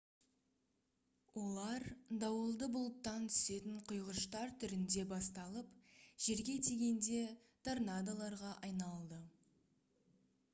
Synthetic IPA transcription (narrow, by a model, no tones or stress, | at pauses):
wo̞lˠɑɾd̪ɑwəlˠd̪əbʊlˠət̪ːɑnt̪ʰʏ̥se̞t̪ɪɴqʰʊjʁəʃt̪ɑɾt̪ʰʏɾɪnd̪e̞bɑst̪ɑlˠəpʒ̥e̞ɾɡʲe̞t̪ʰeɡʲe̞nd̪e̞ | t̪ʰaɾnad̪alˠɑɾʁɑʔɑjnɑlˠd̪ə